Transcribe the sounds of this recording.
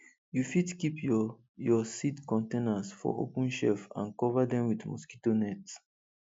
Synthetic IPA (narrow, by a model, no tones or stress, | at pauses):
jufidkipʰ | jɔsidkɔ̃ntenasfɔ̰o̰pə̃nʃɛfã̰nkɔvadɛ̃mwidmṵskitonɛt